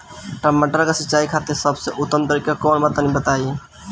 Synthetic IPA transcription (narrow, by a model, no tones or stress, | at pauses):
ʈəmːəʈəɾkesɪtːt͡ʃaːikʰat̪esəbseʔʊt̪ːəmt̪əɾikekɔːnbət̪anibət̪ai